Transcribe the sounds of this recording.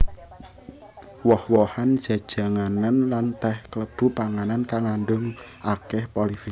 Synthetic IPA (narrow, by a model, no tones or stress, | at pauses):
wɔhwɔhand̥ʒ̥a̤d̥ʒ̥a̤ŋananlant̪ɛhkələb̥ṳpaŋanankaŋanɖʊŋ | ʔakɛhpɔlifi